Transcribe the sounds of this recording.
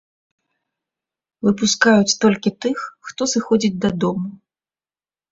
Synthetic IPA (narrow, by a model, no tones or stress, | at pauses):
vɨp̬uskajut͡sʲt̪ɔlʲkʲit̪ɨxːt̪ɔsɨxɔd͡zʲid͡zʲd̪ɐd̪ɔmu